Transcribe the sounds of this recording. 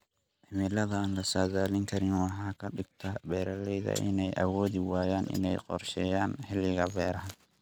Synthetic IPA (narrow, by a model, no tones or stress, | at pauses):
ʔɪmɪlɐðɐaːnlɐsaːðaːlɪŋkʰɐɾɪnwɑħɑːkʰɐɖɪɡt̪ʰɐbɛːɾɐlɛjðɐ̰ʔɪ̰nɛjʔɐ̰wɔːðɪwaːjaːnʔɪ̰nɛjqɔ̰rʃɛːjaːnħɪlːɪɣɐbɛːɾɐɦɐ